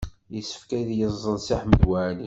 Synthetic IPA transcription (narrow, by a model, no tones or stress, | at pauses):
jəsːə̥fkæðjəzˤːənsiħməd̪wæʕni